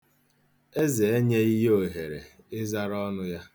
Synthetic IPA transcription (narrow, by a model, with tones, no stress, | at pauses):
e˦ze˨e˦ɲe˦i˦ɦo˨ɦe˨ɾḛ˨ | ɪ˦za˦ɾɔ˦nʊ˦ja˦